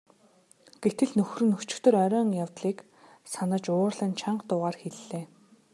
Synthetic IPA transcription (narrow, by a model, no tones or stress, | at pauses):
ɡ̥et̪ɘ̆ɮnɵx̆rɘ̆nɵxʰt͡ɕɪ̥̆kt̪ɵ̆rœɾʲœːŋjawt̪ɮiːk | sanə̆t͡ɕʊːrɮə̆nt͡ɕʰaɴɢt̪ʊːʁaːrxeɮːeː